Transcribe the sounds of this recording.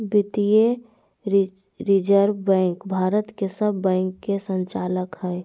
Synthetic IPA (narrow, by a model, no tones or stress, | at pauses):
bɪt̪ije | ɾid͡ʒəɾbɛ̃ŋkbʱaːɾət̪kesəbːɛ̃ːŋkːesə̃nt͡ʃaːləkɦɛɛ